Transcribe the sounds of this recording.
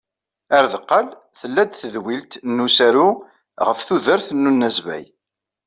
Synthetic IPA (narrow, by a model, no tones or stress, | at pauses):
æɾðəqːəl | θəlːæd̪θəðwilt̪nːusæɾʊ | ʁəfθuðəɾθənːunːæzvæ̰j